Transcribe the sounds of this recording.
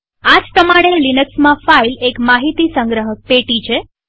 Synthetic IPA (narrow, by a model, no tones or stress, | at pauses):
ad͡ʒpɾəmaɽ̃elinəksmãfailekmaɦit̪isə̃ŋɡɾəɦək̚peʈit͡ʃʰe